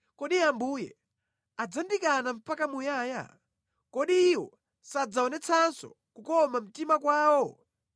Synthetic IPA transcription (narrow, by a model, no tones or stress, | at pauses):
kɔɗiambuːjɛ̰ | ad͡zandikanam̩pakamujaːja̰ | kɔɗiːwɔ̰ | sad͡zaɔnɛt͡sʰansɔ̰ | kukɔmam̩timakwaːwɔ